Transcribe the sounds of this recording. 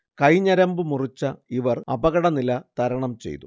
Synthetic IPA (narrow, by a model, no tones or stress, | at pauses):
kɐjɲɐɾɐmbɨmurit͡ɕːɐiʋɐrɐbɐɣɐɽɐnilɐt̪ɐɾɐɳɐmt͡ɕe̞̰jt̪u